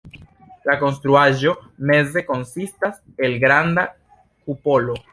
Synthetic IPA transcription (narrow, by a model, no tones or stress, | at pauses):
lako̞nst̪ɾuaʒo̞me̞ze̞ko̞nsistas | e̞lɡɾanda | kupo̞lo